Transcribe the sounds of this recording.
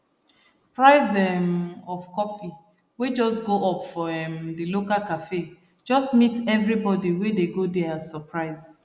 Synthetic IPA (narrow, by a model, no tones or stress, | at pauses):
pɹaɪzɛmɔfkɔfi | wed͡ʒɔstɡoʔɔpfɔɛmdilokalkafe | d͡ʒɔstmitɛvɹibɔdiwedeɡodɛazsɔpʰɹaɪz̥